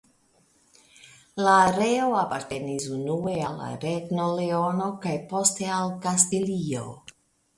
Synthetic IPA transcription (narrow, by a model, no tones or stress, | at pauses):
laːɾe̞o̞apaɾte̞nisunue̞ala̰ɾeɡno̞leo̞no̞kajpo̞ste̞alkastilio̞̰